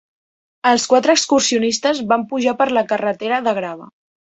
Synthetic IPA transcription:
əlˠskwat̪ɾəːkskursiunist̪əzβampuʒapəɾləkərət̪eɾəðəɣɾaβə

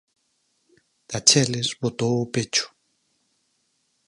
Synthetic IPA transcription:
d̪̥at͡ʃɛlezβot̪owʊpet͡ʃʊ̥

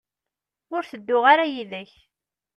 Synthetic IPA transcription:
ʊɾθəd̪ːʊʁaɾajiðæç

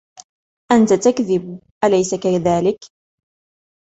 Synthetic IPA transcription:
ʔant̪at̪akðɪb | ʔalajsakaðaːlɪk

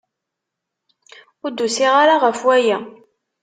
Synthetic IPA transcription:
ʊɾd̪usiʁaɾaʁəfwæjæ

